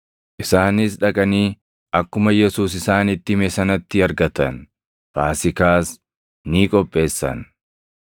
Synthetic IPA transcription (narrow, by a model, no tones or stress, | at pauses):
ʔɪsaːnɪs̬ᶑɐkʼɐniː | ʔɐkːʊmɐjɛsuːsɪsaːnɪt̪ːɪmɛsɐnɐt̪ːɪɐɾɡɐt̪ɐn | faːsɪkaːs | niːkʼɔpʼːe̞ːsːɐ̰n